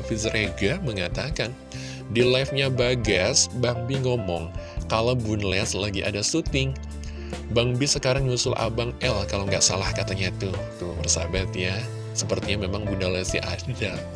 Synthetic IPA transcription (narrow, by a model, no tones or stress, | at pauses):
fizɾeɡaməŋat̪akan | dilajfɲabaɡasbaŋbiŋɔmɔŋkalawbunlɛslaɡiʔa̰dasut̪ɪŋ | baŋbisəkaɾaŋɲusʊlʔa̰baŋɛlkalawŋɡaʔsa̰lahkat̪aɲat̪ut̪ubərsabat̪ja | səpərt̪iɲamemaŋbundalɛsḭada